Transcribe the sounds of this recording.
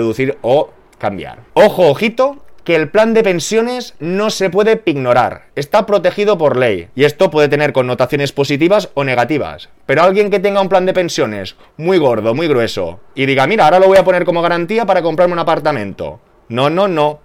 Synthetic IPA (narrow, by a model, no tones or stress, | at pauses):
ðuθiɾo̞ | kambja̰ɾo̞xoːxit̪o̞keːlpland̪epe̞nsjo̞ne̞zno̞se̞pwe̞ðe̞piɣno̞ɾa̰ɾe̞st̪apɾo̞t̪e̞xið̞o̞po̞ɾle̞jie̞st̪o̞pwe̞ðe̞t̪ene̞ɾkonːo̞t̪aθjo̞ne̞spo̞sit̪iβaso̞ne̞ɣat̪iβ̞a̰spe̞ɾo̞alɣje̞ŋke̞t̪̬e̞ŋɡaumpland̪e̞pe̞nsjo̞ne̞̰s | mwiɣ̞o̞ɾð̞o̞mwiɣɾwe̞so̞̰iðiɣamiɾaaɾaloo̞japo̞ne̞ɾko̞mo̞ɣ̞aɾant̪iapaɾakompɾaɾmeunapaɾt̪amẽ̞nt̪o̞̰ | nõ̞no̞no̞